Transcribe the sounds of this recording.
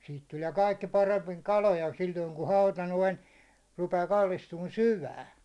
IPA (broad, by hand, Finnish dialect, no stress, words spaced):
siːt tulie kɑikːi pɑremːiŋ kɑlojɑ silʲːoiŋ ku hɑutɑ noin rupeː kɑlːistuːn syʋæːn